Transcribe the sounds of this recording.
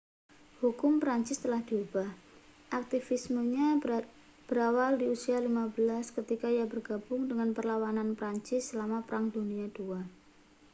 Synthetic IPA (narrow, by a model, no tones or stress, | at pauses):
hukʊmpəɾaɲt͡ʃɪst̪əlahd̥iub̥ah | ʔak̚t̪ifisməɲa | b̥əɾawaldiusialimabəlaskət̪ikaijabərɡ̥ab̥ʊŋdəŋanpərlawananpɾaɲt͡ʃɪsːəlamapəɾaŋduniadua